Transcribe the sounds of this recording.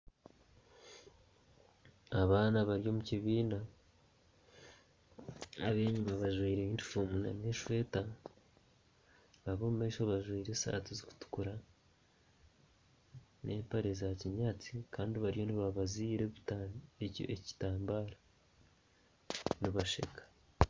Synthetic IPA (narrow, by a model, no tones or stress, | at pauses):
aβaːnaβaɾijo̞muciβiːnda | aβeːɲumaβaʒwiːɾeiːndifoːmuna̰neʃwe̞ːta | βaβo̞mume̞ːʃoβaʒwiːɾesa̰ːtiziku̥tu̥kuɾa | nʔe̞ːmpaɾe̞zaciɲaːt͡si̥kaːndiβaɾijo̞niβaβaziːɾeβiteo̰eci̥taːmbaːɾa | niβaʃḛkḁ